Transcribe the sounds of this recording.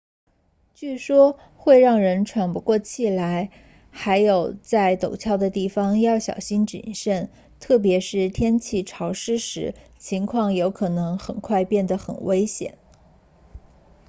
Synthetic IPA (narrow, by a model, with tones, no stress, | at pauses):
t͡ɕy˥˩ʂwɔ˥ | xwe˥˧ɪɻɑ˥˩ŋɻə˧˥nʈ͡ʂʰwa˨˩npu˧˥kwɔ˥˧t͡ɕʰi˨˩la˧˥ɪ | xa˧˥ɪjo˨˩ʊt͡sa˥˩ɪt̪o˨˩ʊt͡ɕʰjɑ˥˩ʊd̪ə˩t̪i˥˩fɑ˥ŋjɑ˥˩ʊɕjɑ̰˨˩ʊɕi˥nʈ͡ʂḭ˨˩nʂə˥˩n | t̪ʰɤ˥˩p̬jɛ˧˥ʂɻ̩˥˩t̪ʰjɛ˥nt͡ɕʰi˥˩ʈ͡ʂʰɑ˧˥ʊʂɻ̩˥ʂɻ̩˧˥t͡ɕʰi˧˥ŋkʰwɑ˥˩ŋjo˧˥ʊkʰɤ˨˩nɤ˧˥ŋxə˨˩nkʰwa˥˧ɪpjɛ˥˩nd̪ə˩xə̰˨˩nwe˥ɪɕjɛ̰˨˩˦n